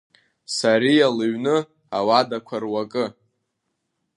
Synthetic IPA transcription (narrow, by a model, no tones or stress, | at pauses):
saɾijalɨɥnɨ | awadakʷʰarwakʼɨ